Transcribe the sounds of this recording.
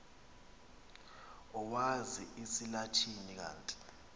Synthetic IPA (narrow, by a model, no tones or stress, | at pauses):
ɔwaziisilatʰinik̬a̰ːntʼi̥